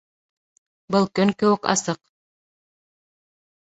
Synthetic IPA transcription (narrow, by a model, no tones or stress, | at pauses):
bɤlˠkɵŋkɘ̆wɘ̆kɑ̰sɤq